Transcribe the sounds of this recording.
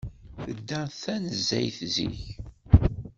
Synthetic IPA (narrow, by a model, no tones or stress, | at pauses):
θəd̪ːæθænəzːæ̰jθzḭç